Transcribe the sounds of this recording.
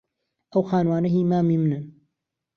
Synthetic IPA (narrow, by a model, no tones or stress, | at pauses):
ɐwxaːnwaːnɐɦiːmaːmiːmɨnɨn